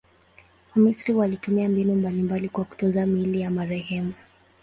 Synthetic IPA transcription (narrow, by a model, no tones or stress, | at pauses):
amisɾiwalitumiambinumbalimbalikwaku̥tɔzamilijamaɾɛhɛmu